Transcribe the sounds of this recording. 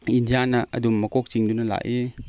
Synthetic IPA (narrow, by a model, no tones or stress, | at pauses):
indijanɐɐ̰dumːɐkɔk̚t͡ʃiŋdunɐla̰ʔe